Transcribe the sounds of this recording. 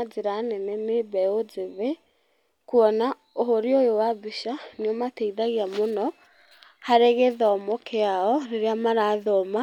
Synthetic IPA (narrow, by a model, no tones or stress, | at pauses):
d͡zeɾanɛnɛmebɛod͡zeβe | kuɔna | oɦoɾeojowabiʃaneɔmateiðaɣeamonɔ | haɾeɣeðɔmɔkʰeaɔɾeɾeamaɾaːðɔma